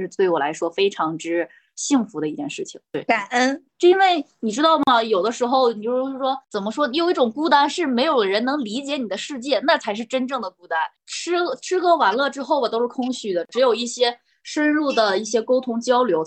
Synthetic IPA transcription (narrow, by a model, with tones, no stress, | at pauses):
ʂɻ̩˥˧t̪we˥˩ɪwɔ˨˩la̰˧˥ɪʂwɔ˥fe˥ɪʈ͡ʂʰɑ˧˥ŋʈ͡ʂɻ̩˥ | ɕi˥˩ŋfu˧˥d̪ə˧i˧˥˩t͡ɕjɛ̰˥˧nʂɻ̩˥˩t͡ɕʰi˨˩ŋt̪we˥˩ɪka˨˩nə˥n˥˧ | i˥nwe˥˩ɪni˨˩ʈ͡ʂɻ̩˥t̪ɑ˥˩ʊmɐ˩jo˨˩ʊd̪ə˦ʂɻ̩˧˥xo˥˧ʊni˨˩jo˥˧ʂɻ̩˥˩ʂwɔ˥t͡sə˨˩nmə˦ʂwɔ˥˧jo˨˩ʊi˥˩ʈ͡ʂʊ˨˩ŋku˥˧t̪a˥˩nʂɻ̩˥˩me˧˥ɪjo˨˩ʊd̪ə˧ɻə˧˥nɤ˧˥ŋli˧˥t͡ɕjɛ˧˥ni˨˩d̪ə˦ʂɻ̩˥˧t͡ɕjɛ˥˩na˥˩t͡sʰa˧˥ɪʂ̬ɻ̩˥˩ʈ͡ʂə˥nʈ͡ʂɤ˥˩ŋd̪ə˩ku˥˩t̪a˥˩n | ʈ͡ʂʰɻ̩˥˧ʈ͡ʂʰɻ̩˥kɤ˧˥wa˨˩nlɤ˥˩ʈ͡ʂɻ̩˥xo˥˩ʊɐ˨t̪o˥ʊʂ̩˥˩kʰʊ˥ŋɕy˨˩d̪ə˦ʈ͡ʂɻ̩˧˥jo˨˩ʊi˥˩ɕjɛ˥ | ʂə˥nɻu˥˩d̪ə˩i˥˩ɕjɛ˥ko˥ʊt̪ʰʊ˥ŋt͡ɕjɑ˥ʊljo˧˥ʊ